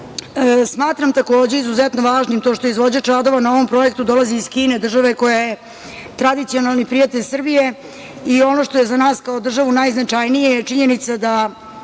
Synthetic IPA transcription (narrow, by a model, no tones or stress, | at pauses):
smaːt̪ɾamt̪ako̞ːd͡ʑeizuzɛt̪no̞ʋaːʒnimt̪o̞ːʃt̪o̞izʋo̞d͡ʑat͡ʃad̪o̞ʋanao̞ʋo̞mpɾo̞jekt̪ud̪o̞lˠaziːskiːne̞d̪r̩ʒaʋeko̞jaje | t̪ɾad̪it̪sio̞nalˠnipɾijat̪eʎʲsr̩bije̞ | io̞no̞ʂt̪o̞je̞zanaːskaod̪r̩ʒaʋunajznat͡ʂajnijet͡ʂiɲenit̪sad̪a